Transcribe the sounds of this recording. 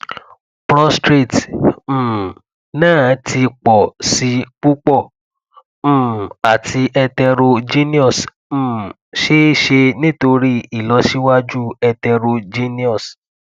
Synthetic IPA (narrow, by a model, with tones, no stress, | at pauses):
pɾɔ˦stɾe˦˨t̩ː˨ | nãː˦˨˦tʰi˧k͡pɔ˨si˧˦k͡pu˦k͡pɔ˦˨ | m̩̃˦˨a˨ti˧ʔɛ˧tɛ˧ɾo˧d͡ʒi˦nĩ˦ɔ˦˨s̩˨ | ʃe˦ʃe˧nĩ˦to˧ɾi˦i˨lɔ˨˦ʃi˦wa˦d͡ʒu˦ɛ˧tɛ˧ɾo˧d͡ʒi˦nĩ˦ɔ˦˨s